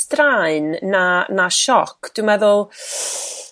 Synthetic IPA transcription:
draɨnːanaʃɔkʰd̥ɪmɛðʊlˠ

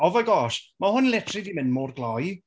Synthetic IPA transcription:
ɔvɔjɡɔsmahʊnlɛtʰrɪdimɪnmoːrɡlˠɔj

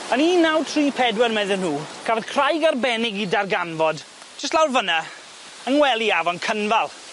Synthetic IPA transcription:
əniːnawtʰriːpʰɛdwɛrmɛðɪnhuːkʰavɔð̥kʰr̥ajɡarbɛnɪɡidarɡanvɔd | d͡ʒəstlawrvəna | ənwɛlˠiavɔnkʰənvalˠ

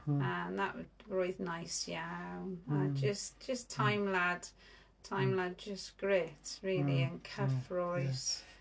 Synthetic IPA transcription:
ə̃nðəʔwəzɡɹɔɪðnaɪsjaʊəd͡ʒʌsd̥ʒ̥ʌstʰãɪ̃mlad̥ | tʰãɪ̃mlad̚d͡ʒʌsɡ̥ɹɪtɹɪːliə̃nkʰʌfɹɔɪz̥

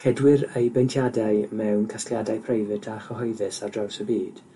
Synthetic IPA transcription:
hʰɛdwɪɾejbejntʰjadajmɛwnkʰaskljadajpʰrejvɨtʰaχəɦɔjðɨsadrawsəbiːd̥

